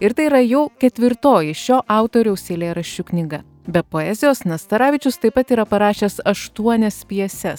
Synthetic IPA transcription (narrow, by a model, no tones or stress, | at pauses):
ɪɾt̪ɐɪiːɾɐjɛʊkʲɛt̪ʲʋʲɪɾt̪oːjɪʃʲoːʔɑˑʊt̪oːɾʲɛʊsʲeːlʲeːɾɐʃʲt͡ʃʲʊknʲɪɡɐ | bʲɛpoːɛzʲɪjoːsnɐst̪ɐɾɑːʋʲɪt͡ʃʲʊst̪ɐɪpɐt̪iːɾɐpɐɾɑːʃʲeːsɐʃt̪uɔnʲɛspʲiɛsʲɛs